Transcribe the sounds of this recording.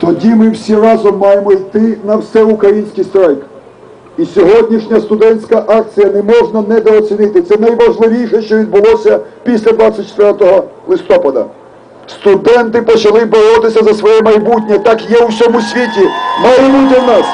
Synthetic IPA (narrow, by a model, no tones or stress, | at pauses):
t̪ɔdʲimɪwsʲirɑzɔmːɑjemɔijt̪ɪnɐwsɛʊkɾɐjinʲsʲkʲijst̪ɾajk | isʲɔɦɔdʲnʲiʃnʲɐst̪ʊd̪ɛnʲsʲkɐʔɑk̚t͡sʲijɐnɛmɔʐnɐnɛd̪ɔːt͡sʲinɪt̪ɪt̪sɛnɐjʋɐʒlˠɪʋʲijʃɛʃt͡ʃɔʋʲid̪̚bʊlˠɔsʲɐpʲisʲlʲɐd̪ʋɑt͡sʲɐt̚ʲt͡ʃːt̪ʋʲɛrt̪ɔɦɔlˠɪst̪ɔpɐd̪ɐ̰ | st̪ʊd̪ɛnt̪ɪpɔt͡ʃɐlˠɪbɔɾɔt̪ɪsʲɐzɐsʋɔjɛmɐjbutʲnʲɛt̪ɑkjɛusʲɔmʊsʲʋʲitʲimɐjbutʲɐwnɑs